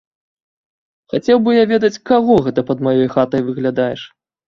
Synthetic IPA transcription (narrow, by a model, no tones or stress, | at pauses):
xat͡sʲɛwbɨjavʲɛd̪ɐt͡sʲkaɣɔɣɛt̪ɐpɐd̪majɔjxat̪ɐjvɨɣlʲad̪ajɛʂ